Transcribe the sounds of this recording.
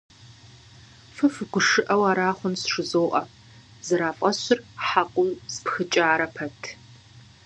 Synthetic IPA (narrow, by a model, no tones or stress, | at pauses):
fɨfɨɡʷʊʂɨʔɐwaːɾaːχʷʊnsʂɨzoːʔʼɐ | zɨɾaːfʼɐɕɪrħaqʷʼʊwspxɨt͡ʃʼaːɾɐpʰɐtʰ